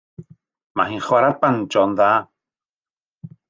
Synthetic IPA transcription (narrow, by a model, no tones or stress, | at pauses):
maɦinχwaɾapand͡ʒɔnða